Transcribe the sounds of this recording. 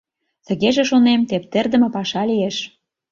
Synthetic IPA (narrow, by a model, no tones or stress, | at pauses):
t̪ə̆ɣeʒĕʃonemt̪ep̚t̪erd̪ə̆mĕpɑʃɑlijeʃ